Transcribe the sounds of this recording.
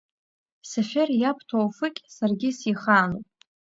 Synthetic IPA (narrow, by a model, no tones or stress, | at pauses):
safʲerjapʰtʰowfɨkʲʼsarɡʲɪsiχaːnopʼ